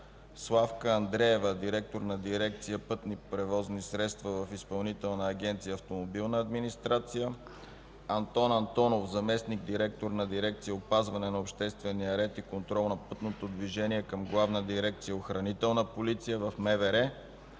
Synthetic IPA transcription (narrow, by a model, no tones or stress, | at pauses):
slˠafkəɐnd̪ɾɛɛvəd̪iɾɛk̚t̪oɾnɐd̪iɾɛk̚t̪sijəpɤt̪nipɾɛvɔznisɾɛt̪st̪vɐvɐfispɐlˠnit̪ɛlˠnəːɡʲɛnt̪sijəːft̪omobilˠnəɐd̪minist̪ɾat̪sijə | ɐnt̪ɔnɐnt̪ɔnofzɐmɛsniɡd̪iɾɛk̚t̪oɾnɐd̪iɾɛk̚t̪sijəopazvɐnɛnɐopʃt̪ɛst̪vɛnijəɾɛt̪ikont̪ɾɔlˠnɐpɤt̪not̪od̪viʒɛniɛkəmɡlˠavnəd̪iɾɛk̚t̪sijəoxɾɐnit̪ɛlˠnəpolit̪sijəvɐfmɛvɛɾɛ